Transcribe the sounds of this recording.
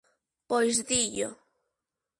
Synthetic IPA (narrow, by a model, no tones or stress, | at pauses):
pojzðiʎo